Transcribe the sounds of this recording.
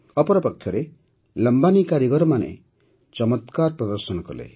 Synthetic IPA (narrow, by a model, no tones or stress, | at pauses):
ɔpɔɾɔpɔkʰːjɔɾe | ləmbanikaɾjiɡɔɾɔmanḛ | t͡ʃɔmɔt̪kaɾpɾɔd̪ɔɾsɔnɔkɔlḛ